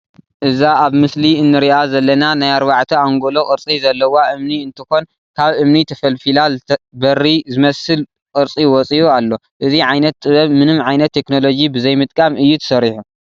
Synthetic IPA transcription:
ʔɨzaaβmɨsliɨnːɨɾiʔazɐlːɐnanajaɾβaʕt̪ʰiaŋɡolo̞kʼɨɾt͡sʼizɐlːɐwaʔɨmniɨnt̪ʰɨxo̞n | kʰaβʔɨmnit̪ʰɐfɐlfilalbɐrizɨmɐsɨl | kʼɨɾt͡sʼiwɔt͡sʼiʔualːo̞ | ʔɨziʕajnɐt̪ʼːɨβɐβmɨnɨmʕajnɐt̪ʰːe̞kno̞lo̞d͡ʒibɨzɐjmɨt̪ʼkʼamɨjːut̪ʰɐ̥sɐɾiħu

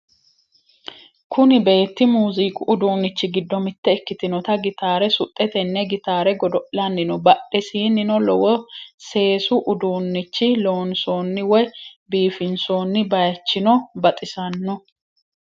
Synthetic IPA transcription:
kʰʊnɪbe̞ːt̪ːɪmuːziːkʼʊʔʊd̪uːnːɪt͡ʃːɪɡɪd̪ːɔmɪt̪ːɛːkːɪt̪ɪnɔt̪ɐɡɪt̪aːɾɛsʊt̪ʼːɛt̪ɛnːɛɡɪt̪aːɾɛɡɔd̪ɔlɐnːɪnɔbɐɗɛsiːnːɪnɔlɔwɔse̞ːsʊʔʊd̪uːnːɪt͡ʃːɪlo̞ːnso̞ːnːɪwɔjbiːfɪnso̞ːnːɪbɐjɐt͡ʃːɪnɔbɐt̪ʼɪsɐnːɔ

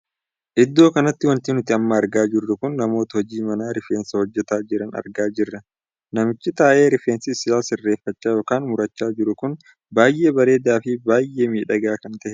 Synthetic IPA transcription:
ʔɪd̪ːo̞ːkɐnɐt̪ːɪwɐnt̪ɪnʊt̪ɪɐmːɐːɾɡaːd͡ʒɪrːʊkʊnːɐmo̞ːt̪ɐhɔd͡ʒiːmɐnaːɾɪfeːnsɐhɔd͡ʒːɛt̪aːd͡ʒɪɾɐnɐ̰ɾɡaːd͡ʒɪrːɐ | nɐmɪt͡ʃːɪt̪aːʔe̞ːɾɪfeːnsɪsɪaːsɪrːeːfːɐt͡ʃːaːjo̞ːkaːnmʊɾɐt͡ʃːaːd͡ʒɪɾʊkʊn | baːjʔe̞ːbɐɾe̞ːd̪aːfɪbaːjʔːe̞ːmiːᶑɐɡaːkɐnt̪ɐʔɛ

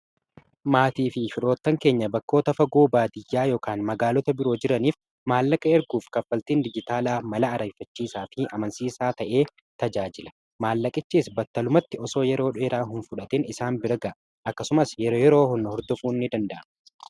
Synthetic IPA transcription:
maːt̪iːfɪfɪɾoːt̪ːɐŋke̞ːɲːɐbɐkːo̞ːt̪ɐfɐɡoːbaːd̪ɪjːaːjoːkaːnmɐɡaːlɔt̪ɐbɪɾo̞ːd͡ʒɪɾɐniːf | maːlːɐkʼɐɛɾɡuːfkɐfːɐlt̪iːnd̪ɪd͡ʒɪt̪aːlaːmɐlɐːɾɐjfɐt͡ʃːiːsaːfɪʔɐmɐnsiːsaːt̪ɐʔe̞ː | t̪ɐd͡ʒaːd͡ʒɪlɐ̥ | maːlːɐkʼɪt͡ʃːiːsbɐt̪ːɐlʊmɐt̪ːɪɔso̞ːjɛɾo̞ːᶑʊeːɾaːɦʊnfʊᶑɐt̪ɪnɪsaːnbɪɾɡɐʔ | ʔɐkːɐsʊmɐsjɛɾoːjɛɾo̞ːɦɔnːɐhɔɾd̪ɔfuːnːɪd̪ɐnd̪ɐʔɐn

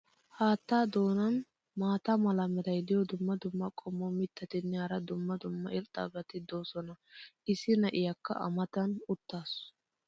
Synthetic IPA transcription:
haːt̪ːaːd̪o̞ːnɐn | maːt̪ɐmɐlɐmɛd̪ɐjd̪ɪjɔd̪ʊmːɐd̪ʊmːɐkʼɔmːɔmɪt̪ːɐt̪ɪnːɛhɐɾɐd̪ʊmːɐd̪ʊmːɐɪlt̪ʼːɐ̰bɐt̪ɪd̪oːsɔnɐɪsɪnɐʔɪjɐkːɐ̰ʔɐ̰mɐt̪ɐnʊt̪ːaːs

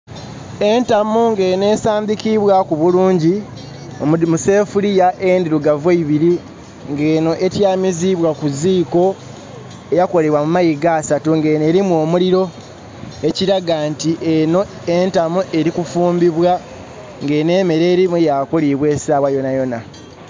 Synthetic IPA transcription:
e̞ntamuŋɡe̞ne̞ːsaːmbikiβwakuβuluːɲɟi | muse̞ːfulijaʔendiɾuɡaveiβiɾi | ŋɡeːno̞ʔetjaːmiziβwakuziːko̞ | ejako̞le̞βwamumajiɡaːsatuŋɡeneɾimwo̞ːmuliɾo̞ | eciɾaɡantiʔeno | entamuʔe̞ɾikufuːmbiβwa | ŋɡe̞ːne̞ːme̞ɾeːɾimujakuliβwe̞ːsaːβwajo̞najo̞na

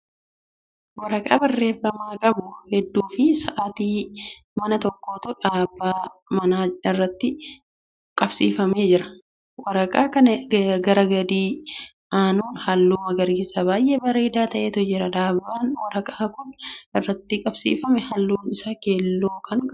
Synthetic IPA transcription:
wɐɾɐkʼa̰ːbɐrːe̞ːfːɐmaːkʼɐbʊhɛd̪ːuːfɪsɐʔat̪iː | mɐnɐt̪ɔkːo̞ːt̪ʊᶑaːbːaːmɐnaːɪrːɐt̪ːɪ | kʼɐbsḭːfɐme̞ːd͡ʒɪɾɐ̥ | wɐɾɐkʼaːkɐnɐɡɐɾɐɡɐd̪iː | ʔaːnuːnhɐlːuːmɐɡɐɾɡɪsɐbaːjʔebɐɾe̞ːd̪aːt̪ɐʔe̞ːt̪ʊd͡ʒɪɾɐᶑ̪aːbːaːnwɐɾɐkʼaːkʊnɪrːɐt̪ːɪkʼɐbsḭːfɐmɛhɐlːuːnɪsaːke̞ːlːoːkʰɐŋ

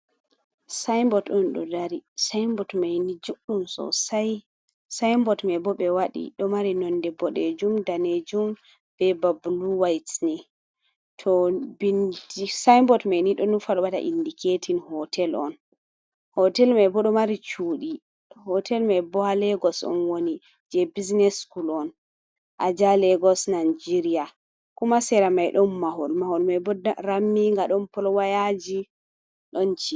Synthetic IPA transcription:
sajmbɔtɔnɗɔ̰daɾisajmbɔtmajnid͡ʒuɗumsɔ̰saj | sajmbɔtmabɔɓɛwaɗḭɗɔmaɾinɔndɛbɔɗed͡ʒumdaned͡ʒum | b̥ɛbabluwajtni | tʰɔbindisajmbɔtmajniɗɔnufaɾbata̰ʔḭndikʰetʰinhɔtʰɛlɔ̰n | hɔtɛlmajbɔɗɔmaɾit͡ʃuːɗi | hɔtɛlmajbɔalɛɡɔsɔ̰nwoni | d͡ʒɛbiznɛskulɔn | ʔad͡ʒalɛɡɔsnand͡ʒiɾia | kumasɛɾamajɗɔnmaɦɔlmahɔlmajbɔdaɾamːiŋɡaɗɔnpɔlɔwajad͡ʒi | ɗɔnt͡ʃi

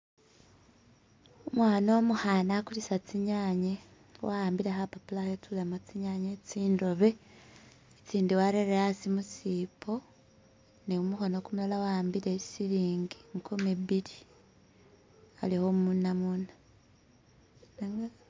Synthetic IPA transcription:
omwaːno̞muhanakulisat͡siɲaːɲe | waaːmbiɾexapapulahet͡sulemat͡siɲaɲet͡siːndo̞βe̞ | t͡siːndiwaɾeɾeasimusipʰo | niumuxo̞nokumulalawaaːmbiɾesiɾiːŋɡiŋkʰumiβili | alihomunamuna | ŋ

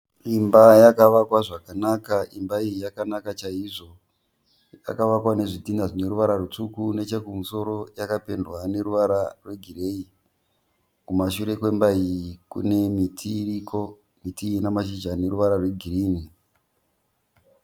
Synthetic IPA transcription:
imbajakaʋakwaʐakanakaimbaijijakanakat͡ʃaiʐo̞ | ja̰kaʋakwane̞ʐitindaʐine̞ɾuʋaɾarut͡sukune̞t͡ʃekumuso̞ɾo̞jakape̞ndwane̞ruʋaɾarwe̞ɡʱire̞i | kumaʃuɾe̞kwe̞mbaikṵne̞mitʰiriko | mitiinamaʃid͡ʒane̞ruʋaɾarwe̞ɡʱiriːni

